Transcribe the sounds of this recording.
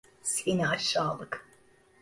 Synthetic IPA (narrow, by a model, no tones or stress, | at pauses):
sinaːʃɑːlˠɨk